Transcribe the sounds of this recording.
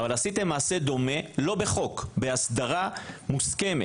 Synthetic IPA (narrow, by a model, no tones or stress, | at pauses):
valasit̪emːaːse̞d̪o̞me̞lo̞be̞χo̞kbe̞asd̪aʁamuske̞me